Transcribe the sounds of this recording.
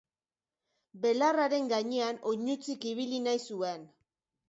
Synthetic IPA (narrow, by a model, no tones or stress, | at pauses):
be̞laraɾe̞ŋɡaɲe̞ano̞ɲut͡sikiβ̞ilinajsue̞n